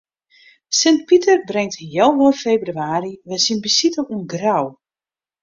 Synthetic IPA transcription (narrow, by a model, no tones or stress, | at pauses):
sɪnt̚pitərbrɛŋtjɛwʋɔrfejbryaːɾiʋɛsinbəsitəluənɡraw